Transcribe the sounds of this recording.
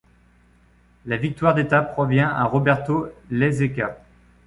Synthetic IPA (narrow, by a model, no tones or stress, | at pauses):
lavik̚t̪waʁd̪et̪apχɔvjɛ̃aʁɔbɛʁt̪olezeka